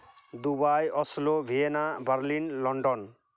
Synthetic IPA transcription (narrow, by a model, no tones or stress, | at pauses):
d̪ubajɔslobʱienabaɾlinlɔɳɖɔn